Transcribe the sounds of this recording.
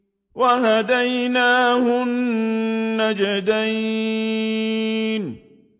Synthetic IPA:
waɦad̪ajnaːhʊnː | ad͡ʒad̪aj | n

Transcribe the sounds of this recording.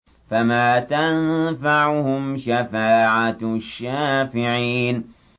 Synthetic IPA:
famaːt̪anfaʕʊhʊmʃafaːʕaʃːaːfɪʕiːn

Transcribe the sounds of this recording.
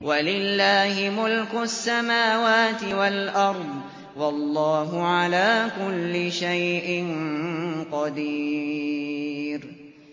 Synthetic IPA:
walɪlːaːhɪmʊlkʊasːamaːwaːt̪ɪwalʔɑɾˤd̪ˤ | wɑlˤːɑːɦʊʕalaːkʊlːɪʃajʔɪn | qɑd̪i | ɾ

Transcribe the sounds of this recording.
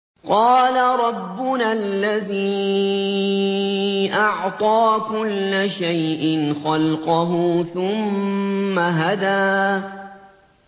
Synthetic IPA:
qɑːlaɾˤɑbːʊnalːaðiː | ʔɑʕt̪ˤɑːkʊlːaʃajʔɪnxɑlqɑɦʊθʊmː | aɦad̪aː

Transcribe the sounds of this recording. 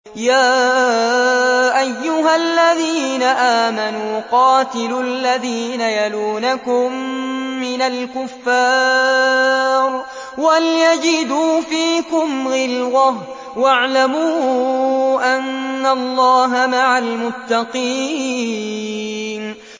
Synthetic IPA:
jaː | ʔajːʊɦalːaðiːnaʔaːmanuːqɑːt̪ɪllːaðiːnajaluːnakʊmː | ɪnalkʊfːaː | ɾ | waljad͡ʒɪd̪uːfiːkʊmɣɪlwah | waʕlamuː | ʔanːalˤːɑːɦamaʕalmʊt̪ːɑqiː | n

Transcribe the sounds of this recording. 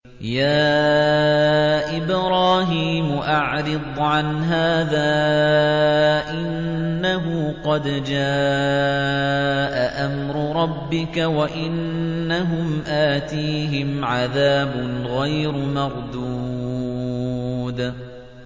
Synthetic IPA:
jaː | ʔɪbɾɑːɦiːmʊʔaʕɾɪd̪ˤʕanɦaːðaː | ʔɪnːaɦʊːqɑd̪d͡ʒaː | ʔaʔamɾʊɾˤɑbːɪkawaʔɪnːaɦʊmʔaːt̪iːɦɪmʕaðaːbʊnɣajɾmɑɾˤd̪u | d̪

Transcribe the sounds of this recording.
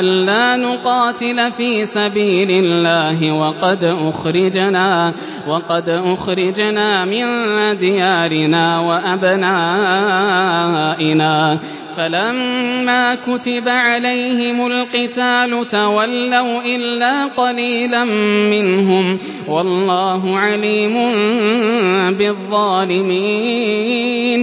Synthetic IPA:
ʔalːaːnʊqɑːt̪ɪlfiːsabiːlɪlːaːɦɪwɑqɑd̪ʔʊxɾɪd͡ʒnaː | wɑqɑd̪ʔʊxɾɪd͡ʒnaːmɪnd̪ɪjaːɾɪnaːwaʔabnaː | ʔɪnaː | falamːaːkʊt̪ɪbaʕalajhɪmʊlqɪt̪aːlʊt̪awalːawʔɪlːaːqɑliːlammɪnɦʊm | wɑlːɑːɦʊʕaliːmʊn | bɪðˤːɑːlɪmiː | n

